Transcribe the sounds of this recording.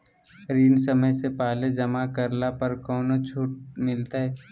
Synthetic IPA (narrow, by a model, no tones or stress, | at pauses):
ɾiːnsəməjsepaːled͡ʒɐmakəɾlapəɾkɔːnot͡ʃʰuːʈ̚mɪlt̪aɦɛː